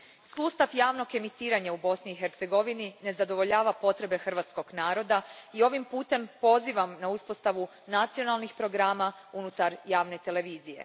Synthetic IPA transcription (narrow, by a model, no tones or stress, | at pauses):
suːst̪aʋjaːʋno̞ke̞mit̪iːɾaɲaubo̞sniːxeɾt̪se̞ɡo̞ʋinine̞zad̪o̞ʋo̞ʎaːʋapo̞t̪ɾe̞be̞xrʋaːt̪sko̞ɡnaːɾo̞d̪aio̞ʋimpuːt̪e̞mpo̞ziʋamnauspo̞st̪aʋu | nat̪sijo̞nalˠnixpɾo̞ɡɾaːma | unut̪aɾjaːʋne̞t̪e̞le̞ʋiːzijḛ